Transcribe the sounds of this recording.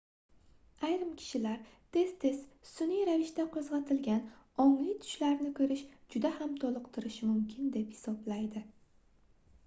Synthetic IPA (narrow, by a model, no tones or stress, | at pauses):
ajɾɪmkʲʰɪ̥ʃɪlaɾt̪ʰe̞z̥t̪ʰe̞z̥sʊnijɾavɪʃt̪aqʰozʁɑt̪ʰɪlɡʲanɒŋlijt̪ʰʊ̥ʃlaɾnɪkʰɵɾɪʃd͡ʒʊd̪ahamt̪ʰɒlˠɨqt̪ʰɪɾɪʃɪmʊmkʲʰɪnd̪e̞phɪ̥sɒblajd̪ɪ